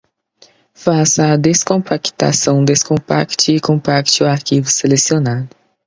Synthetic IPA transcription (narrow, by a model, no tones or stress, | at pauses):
fasɐːd̪eskõmpakt̪a̰sɐ̃w̃d̪eskõpa̰kt͡ʃɪːkõmpakt͡ʃɪʊaɾkivʊselesionad̪ʊ